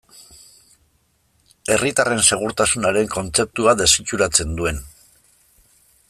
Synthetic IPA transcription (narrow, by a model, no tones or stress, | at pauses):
e̞rit̪are̞nse̞ɣ̞uɾt̪asunaɾe̞ŋko̞nt͡se̞p̚t̪uaðe̞sit͡ʃuɾat͡se̞nd̪ue̞n